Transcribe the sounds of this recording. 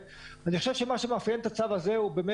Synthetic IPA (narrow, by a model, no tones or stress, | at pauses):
aniχoʃevʃe̞maʃemafjent̪at͡savazeubeme